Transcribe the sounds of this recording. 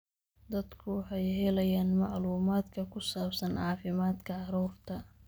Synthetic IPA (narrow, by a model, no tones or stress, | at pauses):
d̪ɐd̪kʰʊwɑħɑjhɛlɐjaːnmɑʕluːmaːd̪kʰɐkʰʊsaːbsɐnʕɑːfɪmaːd̪kʰɐʕɑɾuːrt̪ʰɐ